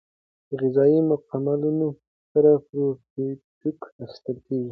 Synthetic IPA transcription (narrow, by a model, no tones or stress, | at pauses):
d̪əɣɪzɑimʊqamaluno | saɾapɾotʈukast̪əlkeɡi